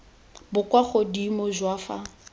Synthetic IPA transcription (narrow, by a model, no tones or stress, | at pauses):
bʊkʼwaχodimoʒwafa̰